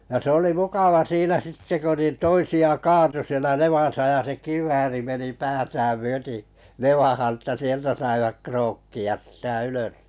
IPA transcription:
jɑ se oli mukɑʋɑ siːnæ sitːe ko nin toisiɑ kɑːtu sielæ neʋɑˑsɑ jɑ se kiʋˑæːri meni pæːtæːm myøti neʋɑhɑn ə̆tːæ sieltæ sɑiʋɑk kroːkːiɑs sĭtæ yløs

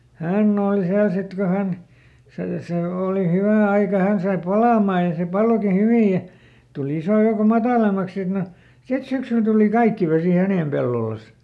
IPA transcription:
hænː oːli siæl sit ko hæn se seˑ oːli hywæ ɑikɑ hæn sɑi pɑlɑmɑː jɑ se pɑloki hyʋij jɑ tul isoˑ joukom mɑtɑˑlemːɑks sit no sit syksyl tuli kɑikːi ʋesiˑ hæneˑm pelːolɑs

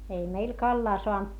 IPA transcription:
ei meil kɑlːɑː soɑnt

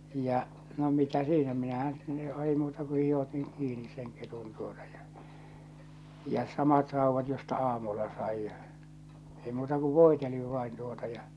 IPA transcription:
jɑ no mitæ siːnæ minæhæn sitːe ei muːtɑ ku hih otiŋ kiːnis seŋ ketun tuotɑ̥ j̊ɑ̥ jɑ sɑmɑt rɑuʋɑt jostɑ ɑːmulːɑ sɑij jɑ ei muːtɑ ku ʋoˑiteliʋ ʋɑin tuotɑ jɑ

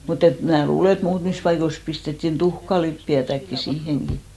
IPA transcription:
mut et mnæː luːle et muːtmis pɑikois pistetːin tuhkɑlipːiætækːi siːheŋɡ̊i

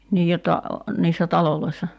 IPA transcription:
niː jotːɑ niːsːæ tɑloloisːɑ

